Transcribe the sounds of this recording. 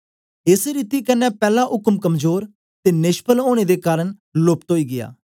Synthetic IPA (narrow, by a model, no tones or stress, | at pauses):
ɪsɾit̪iːkənːɛːpɛːlaʔʊkmkəmzoːɾ | t̪eːnɪʃpəloːɽ̃ed̪eːkaːɾəɽ̃ | lʊpt̪oːiːɡɪja̰ː